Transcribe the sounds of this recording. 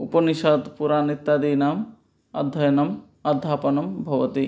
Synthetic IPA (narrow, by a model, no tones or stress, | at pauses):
upɐniʃɐːd̪puɾaːnit̪ːaːd̪iːnaːm | ɐ̰d̪ʱːɐjɐnɐm | ɐd̪ʱːaːpɐnɐmbʱɐʋɐt̪i